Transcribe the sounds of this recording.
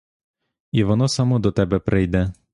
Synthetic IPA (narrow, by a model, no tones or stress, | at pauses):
iʋɔnɔsɐmɔd̪ɔt̪ɛbɛpɾɪjd̪ɛ